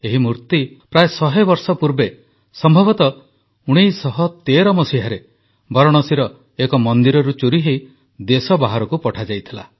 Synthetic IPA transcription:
eɦimuɾt̪ipɾaesɔɦebɔɾsɔpuɾbe | sɔmbʱɔbɔt̪ɔ | uɽ̃ijsɔɦɔt̪eɾɔmɔsiɦaɾe | bɔɾɔɽ̃ɔsiɾɔ | ekɔmɔnd̪iɾɔɾut͡ʃuɾiɦei | d̪esɔbaɦaɾɔkupɔʈʰad͡ʒajt̪ʰila̰

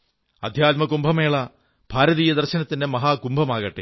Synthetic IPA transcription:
ɐd̪ʱjaːt̪̚mɐkumbʱɐmeːɭɐ | b̥ʱaːɾɐðiːjɐd̪ɐrɕɐnɐt̪ːindemɐɦaːkumbʱɐmaːɣɐʈːe

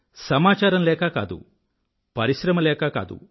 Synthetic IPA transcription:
sɐmaːt͡ʃaːɾɐmlɛːkaːka̰ːd̪ṵ | pɐɾiʃɾɐmɐlɛːkaːka̰ːd̪ṵ

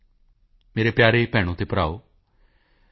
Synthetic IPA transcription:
meːɾepjaːɾepɛːɽ̃õːt̪epəɾaːoː

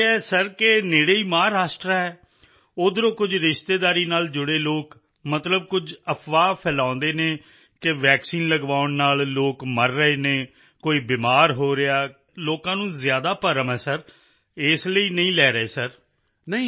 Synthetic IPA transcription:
ɛːsəɾkɪneːɽeːiːmaːɾaːsʈɾaːɦɛː | oːd̪ɾõːkʊd͡ʒɾɪʃt̪eːd̪aːɾiːnaːld͡ʒʊɽeːloːk | mət̪ləb̚kʊd͡ʒəpʰʋaːpʰɛːlãːnd̪eːneː | kɪʋɛːksiːnləɡʋaːʊnnaːlloːkməɾːəɦeːnẽː | koːiːbɪːmaːɾɦoːɾɪaː | loːkãːnũːzɪjaːd̪aːpəɾəmɦɛːsəɾ | ɪsləiːnəĩːlɛːɾəeːsəɾ | nəĩː

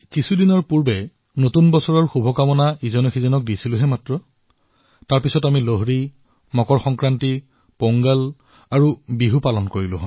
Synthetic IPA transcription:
kisʰudinɔɹpuɹbɛ | notunbɔsɔɹɔɹxubʱɔkamɔnaizɔnɔxizɔnɔk̚disilʊɦɛmatɹɔ | taɹpisɔtamiloɦɹi | mɔkɔɹxɔŋkɹanti | poŋɡal | aɹubiɦupalɔnkoɹilʊ̰ɦɔ

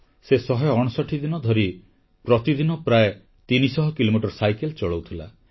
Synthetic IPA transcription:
sesɔɦɔjɔ̃ɔsɔʈʰid̪inɔd̪ʱɔɾi | pɾɔt̪id̪inɔpɾae | t̪inisɔɦɔkilomiʈɔɾsajkelt͡ʃɔɭowt̪ʰila̰

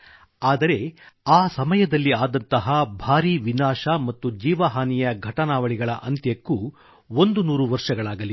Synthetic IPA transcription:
aːd̪ɐɾe̞aːsɐmɐjɐd̪ɐlːiaːd̪ɐnt̪ɐɦɐbʱaːɾiʋinaːʂɐmɐt̪ːud͡ʒiːʋɐɦaːnijɐɡʱɐʈɐnaːʋɐɭiɡɐɭɐʔɐnt̪jɐkːu | ond̪unuːɾuʋɐɾʂɐɡɐɭaːɡɐli

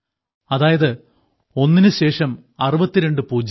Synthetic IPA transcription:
ɐðaːjɐðɨ | o̞nːinɨɕe̞ːʂɐm | ɐrɨbɐt̪ːiɾe̞ɳɖɨpuːd͡ʑ

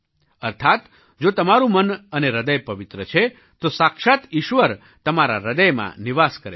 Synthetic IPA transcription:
əɾt̪ʰat̪ | d͡ʒot̪əmaɾũmənəneɾəd̪əjpəʋɪt̪ɾət͡ʃʰe | t̪osakʃat̪iʃʋəɾ | t̪əmaɾa̰ɾəd̪əjmã̰niʋaskəɾe

